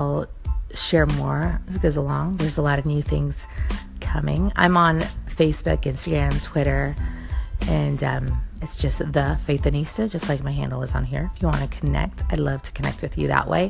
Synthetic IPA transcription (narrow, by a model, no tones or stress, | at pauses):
lˠʃɛɹmɔɹzɡ̥oʊzəlɔ̃ŋðə˞zəlɔɾʌvnjʉθɪ̃ŋz̥kʰʌmɪ̰̃ŋã̰ɪ̃mə̃nfeɪsb̥ʊ̰kɪ̃nstɨɡɹæ̃mtʰw̥ɪɾə˞ | ɨ̃nʌ̰̃mɨtsd̥ʒ̥ʌsðɨfeɪθɨ̃nistɨ˞d͡ʒʌstˡlaɪk̚maɪɦæ̰̃ndˡl̩ˠəzn̩ɦḭɹɪfjɨwɑ̃nɨkʰɨnɛ̰k̚tʰaɪlʌv̥tʰə̥kʰɨnɛ̰k̚t̚wɨðjɨ̰ðə̰ʔwḛɪ